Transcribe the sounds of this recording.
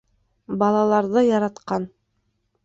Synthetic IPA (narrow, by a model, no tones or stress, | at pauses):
bɑlˠɑlˠɑɾðɤjɑɾɑt̪qɑn